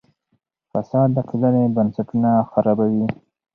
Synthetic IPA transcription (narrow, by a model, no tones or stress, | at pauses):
fasɑd̪ːəkilanebansaʈunaxaɾɑbawi